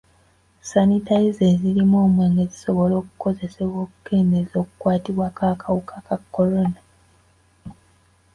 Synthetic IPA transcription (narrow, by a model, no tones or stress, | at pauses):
sanitajize̞ːzilimoːmwe̞ːŋɡeziso̞βo̞lo̞ːku̥ko̞ze̞se̞βwo̞ːkuke̞ːnde̞zo̞ːku̥kwaːtiβwakʰaːkʰawukḁkakːo̞ɾo̞na